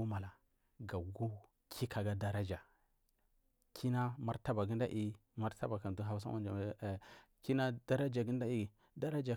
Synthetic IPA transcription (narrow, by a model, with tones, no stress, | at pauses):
u˦ma˨la˨ | ɡa˨ɡu˦ | kʰi˦ka˨ɡa˦da˦ɾa˦d͡ʒa˨ | kʰi˦na˦ma˦ɾta˦ba˨ɡi˦nda˦ʔi˦ | ma˦ɾta˦ba˨ka˨n˨du˦ɦa˨bu˦s̬a̰˦a˦d͡ʒa˨ | ki˦na˦da˦ɾa˦d͡ʒa˨ɡi˦n˦da˦i˦˨ | da˦ɾa˦d͡ʒa˨